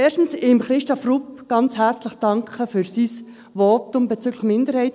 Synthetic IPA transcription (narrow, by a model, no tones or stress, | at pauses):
ɛːʃtn̩sɪmχɾɪʃtofrupɡ̥ɑnt͡shæɾt͡sləχd̥ɑŋkχəfyɾsis | ʋɔtʊmb̥et͡syɡləχmɪndəɾhɛɪt